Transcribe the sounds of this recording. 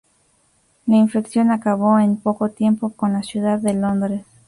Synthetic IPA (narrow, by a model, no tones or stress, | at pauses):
lainfeksjo̞nakaβo̞enpo̞ko̞t̪je̞mpo̞ko̞nlasjuðaðːelo̞nd̪ɾes